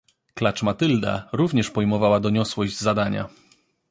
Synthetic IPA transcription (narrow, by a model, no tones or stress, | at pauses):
klat͡ʂmat̪ɘld̪a̰ɾuvɲɛʂpɔjmɔvawad̪ɔɲɔswɔʑd͡ʑzad̪aɲa̰